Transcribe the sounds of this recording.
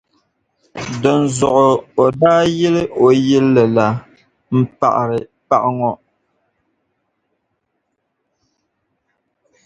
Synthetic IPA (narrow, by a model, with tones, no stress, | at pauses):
dɔ˨n̩˨zɔ˨ʔɔ˨ɔ˨daː˦jɛ˦le˦ʔo˨jɛ˦lːɛ˨la˨ | m̩˨pa̰˨ʔɾɛ˨pa̰˦ʔŋɔ˦ʔ